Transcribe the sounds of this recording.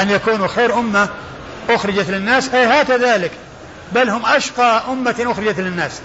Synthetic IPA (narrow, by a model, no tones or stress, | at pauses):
ʔanjakuːnuxeːɾʔʊmːa | ʔʊxɾɪd͡ʒat̪lɪnːaːsʔajhaːkaðaːlɪk | balːhʊmʔaʃqɑːʔʊmːaʔʊxɾɪd͡ʒat̪lɪnːaːs